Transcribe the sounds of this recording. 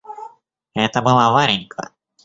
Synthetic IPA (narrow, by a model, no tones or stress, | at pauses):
ɛt̪əbɨlˠavaɾʲɪnʲkʰə̰